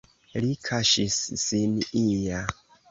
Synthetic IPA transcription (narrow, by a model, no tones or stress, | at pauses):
likʰaʃisːinija